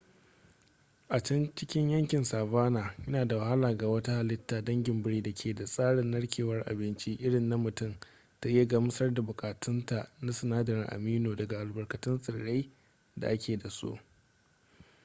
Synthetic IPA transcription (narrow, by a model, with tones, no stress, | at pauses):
ʔa˨t͡ʃɐ˦nt͡ʃɪ˦kʲɪ˦ɲjɐ˦ŋkʲɪ˨nsaː˨βaː˦naː˨jɐ˦naː˨da˨wa˨ha˦laː˨ɡa˨wɐ˦ta˦ha˨lɪ˦tːaː˨dɐ˦ŋɡʲɪ˨mbɪ˦ɽiː˦da˨kʲʰeː˨da˨sʼaː˦ɽɪ˨nːɐ˦ɽkʲʰeː˨wɐ˦rʔa̰˨bɪ˦nt͡ʃi˦ʔɪ˦ɽɪ˨nːa˦mʊ˨tʊ˦˨m | ta˦ʔi˦ja˨ɡa˨mʊ˦sɐ˦rda˨bʊ˨kʼaː˨tʊ˦nta˨ʔna˦sɪ˨naː˦dɐ˨ɾɪ˨ŋʔa̰˨miː˦noː˨dɐ˨ɡa˨ʔa˨lbɐ˨rkɐ˨tʊ˦nsʼɪ˨ɽːe˦j | da̰˨ʔa˦kʲʰeː˨da˨sṵ˦ʔ